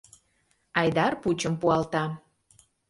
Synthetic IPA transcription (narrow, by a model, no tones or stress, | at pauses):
ɑjd̪ɑrput͡ɕəmpuɑlt̪ɑ